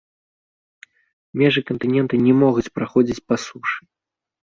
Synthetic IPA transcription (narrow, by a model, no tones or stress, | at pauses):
mʲɛʐɨkɐnt̪ɨnʲɛnt̪ɨnʲɛmɔɣut͡sʲpɾaxɔd͡zʲit͡sʲpasuʂɨ